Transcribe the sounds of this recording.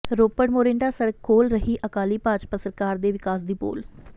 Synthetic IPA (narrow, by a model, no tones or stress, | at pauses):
ɾoːpəɽmoːɾẽːɳɖaːsəɾkʰoːlɾəɦiːʔəkaːliːpaːd͡ʒpəsəɾkaːɾd̪eːʋɪkaːs̬d̪iːpo̰ːl